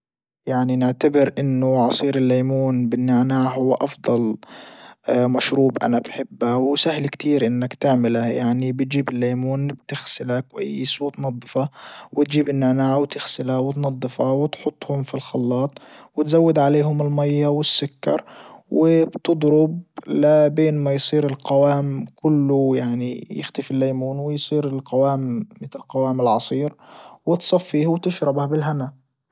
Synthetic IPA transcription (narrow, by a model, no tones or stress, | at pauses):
jaʕninɪʕt̪abɪɾʔɪnːʊʕɑsˤiːɾɪlːaːmuːnbɪnːaʕnaːʕhʊwːaʔɑfd̪ˤɑl | maʃɾuːbʔa̰nabħɪbːawsahlkt̪ʰiːɾʔɪnːakt̪ɪʕmɪlajaʕnibɪt̪̚d͡ʒiːbɪlːeːmuːnbt̪ɪxsɪlakwʔa̰jːsˤoːt̪nɑd̪ˤːɨfɑwɪt̪d͡ʒiːbɪnːaʕnaːʕwt̪ɪxsɪlawɪt̪nɑd̪ˤːɨfɑwɪt̪ħʊt̪ˤːhʊmfilxɑlːɑːt̪ˤwɪt̪zawːɪd̪ʕaleːɦʊmɪlmajːawɪsːʊkːɑ̰ɾˤwɪbt̪ɨd̪ˤɾʊb̚labeːnmajsˤiːɾɪlqawaːmkʊlːʊjaʕnḭjɪ̰xt̪ɪfɪlːajmuːnwɪjsˤiːɾɪlqawaːmːɪt̪ɪlqɑwaːmɪlʕɑsˤiːɾwɪt̪sˤɑfːiːhwt̪ɪʃɾɑbhabɪlɦana